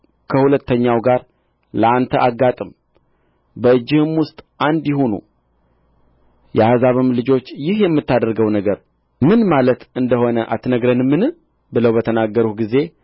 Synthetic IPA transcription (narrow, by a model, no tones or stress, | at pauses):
kʰəhulət̪ʰːəɲːawɡaɾ | ləʔant̪ʰəʔaɡːat̪ʼɨm | bəɨd͡ʒːɪhɨmwʊst̪ʼʔand̪jɪhunṵ | jɛhazaβɨmlɨd͡ʒo̞t͡ʃːjɪhjɛmːɨt̪ːad̪əɾɡəwnəɡəɾ | mɨnmalət̪ɨnd̪əho̞nəʔat̪nəɡɾənɨmːɨnɨ | bɨləwbət̪ʰənaɡːəɾutɡize̞